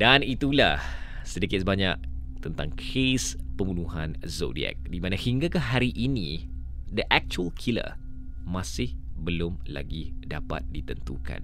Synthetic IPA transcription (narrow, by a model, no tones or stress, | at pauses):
danit̪ulah | sədikɪt̪səbaɲaʔ̚ | t̪ənt̪aŋkʰespəmbunuɦãnzo̰dḭɛ̰k̚dimãnahiŋɡakahɦaɾiʔinĩ | dəʔɛk̚t͡ʃuəlkʰilə̰ | masɪhbəlʊmla̰ɡidapa̰t̪̚dit̪ənt̪ṵka̰n